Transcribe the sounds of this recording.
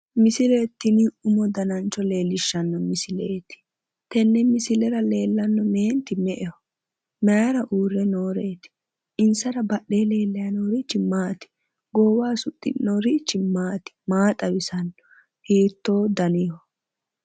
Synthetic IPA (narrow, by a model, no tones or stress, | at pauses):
mɪsɪlet̪ːɪniʊmɔd̪ɐnɐnt͡ʃːɔle̞ːlːɪʃːɐnːɔmɪsɪleːt̪ɪ̥ | t̪ɛnːɛmɪsɪlɛɾɐle̞ːlːɐnːɔmeːnt̪ɪmɛʔɛɔ | mɛjɐɾɐʔuːrːɛnoːɾeːt̪ɪ̥ | ɪnsɐɾɐbɐɗːe̞ːle̞ːlːɛjɐnoːɾɪt͡ʃːɪmaːt̪ɪ̥ | ɡoːwaːsʊt̪ʼːɪ̰noːɾɪt͡ʃːɪmaːt̪ɪ̥maːt̪ʼɐwɪsɐnːɔ | hiːt̪ːo̞ːd̪ɐnihɔ